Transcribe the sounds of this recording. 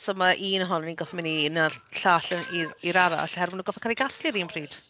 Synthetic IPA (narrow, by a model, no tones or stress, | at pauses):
sɔmaʔiːnəɦɔnninɡɔfmɪninaɬaːɬɛniiɾaɾa̰a̰ɬhɛɾvɪnuːɡɔfɛkʰaliɡasklɪɾiːnbʰriːd̥